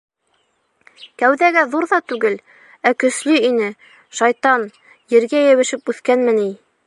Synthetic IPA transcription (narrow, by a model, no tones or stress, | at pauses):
kæwðæɡæðuɾðɑt̪ʉɡɘl | ækɵ̆slɵinɘ | ʃɑjt̪ɑn | jɘ̆ɾɡæjɘ̆βɘ̆ʃɘpʉθkænmɘni